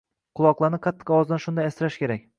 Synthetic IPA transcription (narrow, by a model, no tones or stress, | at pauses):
qʰʊlˠɒqlˠaɾnɪqʰɑt̪ʰːɨ̥qɒwɒzd̪anʃʊnd̪ajasɾaʃkʲeɾakʲ